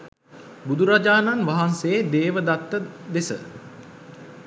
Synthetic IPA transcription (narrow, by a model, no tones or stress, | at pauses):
bud̪uɾad͡ʒaːnanʋaɦanseːd̪eːʋəd̪at̪ːəd̪esə̰